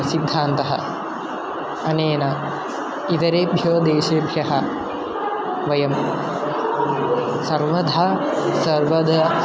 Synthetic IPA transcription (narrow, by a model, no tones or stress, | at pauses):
sid̪ʱːaːnt̪ɐɦɐ̰ | ɐneːnɐ | it̪ɐɾeːbʱjoːd̪eːʃeːbʱɾɐɦɐ | ʋɐjɐm | sɐɾʋɐd̪ʱa | sɐɾʋɐd̪ʱɐ